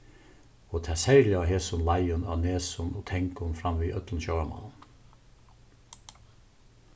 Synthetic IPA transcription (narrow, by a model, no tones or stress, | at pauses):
oːt̪ʰæsæɪlɪɑːɦeːsʊnlɑɪʊnɑ̰ːneːsʊnoːt̪ʰɛŋkʊnfɾɑmʋiːʔœt̪ln̩ʃɑəmɑ̰nn